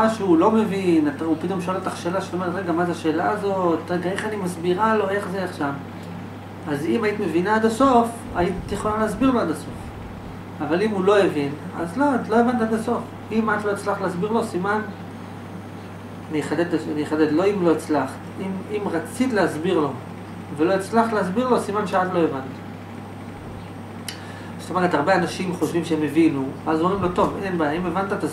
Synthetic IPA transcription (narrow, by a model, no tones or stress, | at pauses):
aʃuulo̞me̞vinat̪aupit̪o̞mʃolat̪aχʃelaʃe̥t̪omeetʁeɡamazeaʃe̞ːlaːzo̞t̪ʁeɡae̞χanimasbiʁalo̞e̞χzeaχʃam | azimait̪me̞vinaad̪aso̞f | aitjeχolaleasbiʁloadaso̞f | avalimulo̞evin | a̰zloatlo̞evant̪ad̪aso̞f | imat̪lo̞et͡slaχtleasbiʁlo̞siman | niχaded̪aanieχaded̪lo̞imlo̞it͡slaχt̪imimʁat͡sit̪lehazbiʁlo̞ | velo̞it͡slaχt̪leas̬biʁlo̞simanʃead̪lo̞evant̪ | st̪omeʁet̪aʁbeanaʃimχo̞ʃvimʃeemevinuveazomʁimlo̞t̪o̞ve̞nbajaime̞vant̪aet̪a